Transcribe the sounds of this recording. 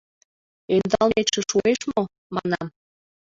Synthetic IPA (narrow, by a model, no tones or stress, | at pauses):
end̪ɑlmeʃeʃueʃmo | mɑnɑm